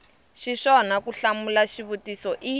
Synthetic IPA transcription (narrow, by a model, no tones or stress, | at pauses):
ʃiʃɔnakuɬamulaʃiβutisɔʔi